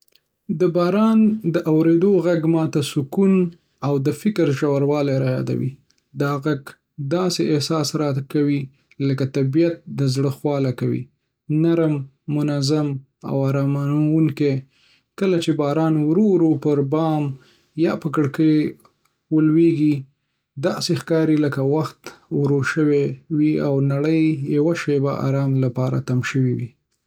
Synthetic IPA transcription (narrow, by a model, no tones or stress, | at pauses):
d̪əbɑɾɑnd̪əʔawɾed̪oɣaɡmɑt̪asʊkun | awd̪əfɪkɾʒawaɾwɑleɾajɑ̰d̪a̰wḭ | d̪ɑɣaɡ | d̪ɑseʔɪhsɑsɾɑkawi | ləkat̪abijat̪̚d̪əzɽəxwɑlakawḭ | naɾmː | ʊnazam | a̰waɾɑmanawuŋke | kəlat͡ʃebɑɾɑnwɾoɾopəɾbɑm | jɑpəkəɽkəj | wəlweɡi | d̪ɑsexkɑɾiləkawaxt̪wɾoʃəwewiawnaɽəjjawaʃebaʔa̰ɾɑmlapɑɾa̰t̪amʃəwiwḭ